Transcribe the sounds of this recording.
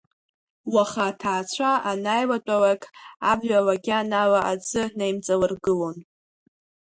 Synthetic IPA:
waχatʰaːt͡ɕʷʰaʔanajwat͡pʷʼalakʼabʒʷalaɡʲanawaʔad͡zɨnejmt͡sʼalɨrɡɨlo̞n

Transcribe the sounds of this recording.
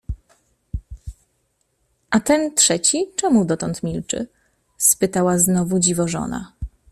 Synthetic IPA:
ʔat̪ɛnt̪ʂɛt͡ɕit͡ʂɛmud̪ɔt̪ɔnt̪mʲilt͡ʂɘ̰ | spɘt̪awaznɔvud͡ʑivɔʐɔ̰na̰

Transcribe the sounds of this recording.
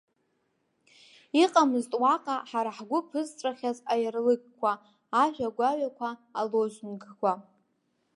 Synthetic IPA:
iqʼamɨztʼwaqʼaħaɾaħɡʷʊpʰɨztʷʼaχʲazajarlɨɡʼkʷʰaː | ʒᶣaɡʷaɥakʷʰaːloʒʷnɡkʷa

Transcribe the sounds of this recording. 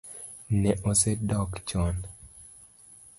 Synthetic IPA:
nɛʔosɛdɔkt͡ʃɔn

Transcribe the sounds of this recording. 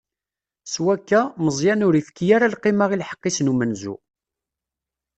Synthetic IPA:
swækːæməzˤjænʊɾifkːjaɾalqimaʁilħə̥qːisnumənzṵ

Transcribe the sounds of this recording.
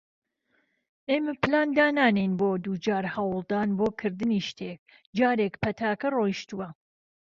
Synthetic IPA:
ʔeːmɐplaːnd̪aːnaːnejnboːd̪ud͡ʒaːɾhɐwlˠd̪aːnboːkʰɨɾd̪ɨniːʃt̪ʰeːk̚ | d͡ʒaːɾeːkpʰɐt̪ʰaːkɐroːjʃt̪uwɐ

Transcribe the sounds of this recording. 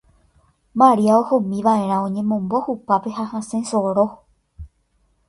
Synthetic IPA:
maɾiaohomĩʋaʔẽ̞ɾ̃ãõɲẽ̞mõ̞mbo̞hupape̞hahãsẽsoɾo

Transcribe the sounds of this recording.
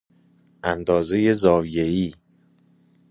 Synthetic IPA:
ʔænd̪ɒːze̞je̞zɒːvijeiː

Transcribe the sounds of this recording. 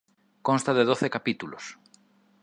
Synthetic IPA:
kõnst̪aðeðoθekapit̪ulo̰s

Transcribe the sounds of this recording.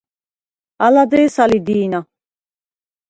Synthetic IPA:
alad̪ɛjsalid̪iːna

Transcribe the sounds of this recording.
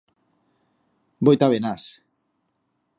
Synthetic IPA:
bojt̪aβenas

